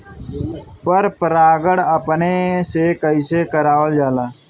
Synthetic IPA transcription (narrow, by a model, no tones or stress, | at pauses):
pəɾpəɾaːɡəɽəpnesekəisekəɾaːwəld͡ʒaːlaː